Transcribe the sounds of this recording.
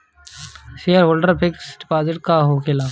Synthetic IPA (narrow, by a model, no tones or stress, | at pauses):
ʃeːəɾoːlɖəɾpʰɪksɖɪpaːzɪʈkaːɦoːkʰelaː